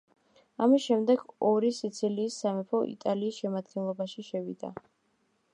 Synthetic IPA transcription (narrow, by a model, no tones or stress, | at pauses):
amisʃɛmd̪ɛɡ̥ɔɾisit̪sʰiliːsːamɛpʰɔʔḭt̪ʼaliːsʃɛmad̪ɡɛnlˠɔbaʃiʃɛvḭd̪a̰